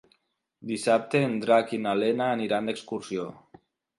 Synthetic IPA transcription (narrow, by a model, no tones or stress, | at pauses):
d̪isap̚t̪eːnd̪ɾakinalenaːniɾand̪ekskuɾsjo